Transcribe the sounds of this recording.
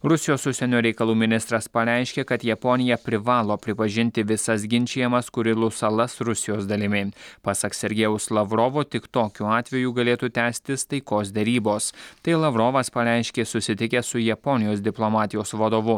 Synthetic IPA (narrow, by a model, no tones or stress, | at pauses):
ɾʊsʲɪjoːsʊʃsʲɛnʲoːɾʲɛɪkɐlˠuːmʲɪnʲɪst̪ɾɐspɐɾʲɛˑɪʃʲkʲeːkɐt̪jɛpɔnʲɪjɛpʲɾʲɪʋɑːlˠoːpʲɾʲɪpɐʒʲɪnʲt̪ʲɪʋʲɪsɐs̬ɡʲɪnʲt͡ʃʲejɛmɐskʊɾʲɪlˠʊsɐlˠɐsɾʊsʲɪjoːsd̪ɐlʲɪmʲɪpɐsɐksʲɛɾʲɡʲɛʊslˠɐʋɾɔːʋoːt̪ʲɪkt̪oːkʲuːɑːt̪ʲʋʲɛjuːɡɐlʲeːt̪uːt̪ʲæːsʲt̪ʲɪst̪ɐɪkoːsd̪ʲɛɾʲiːboːst̪ɐɪlˠɐʋɾɔʋɐspɐɾʲɛɪʃʲkʲeːsʊsʲɪt̪ʲɪkʲɛsʊjɛpɔnʲɪjoːsd̪ʲɪplˠomɑːt̪ʲɪjoːsʋɐd̪oːʋʊ